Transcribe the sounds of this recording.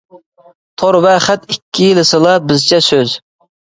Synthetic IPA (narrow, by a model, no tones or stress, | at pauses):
t̪ʰoɾvɛχɛt̪ikʲʰːijilɪsɨlˠɑbɪzt͡ʃʰɛsøz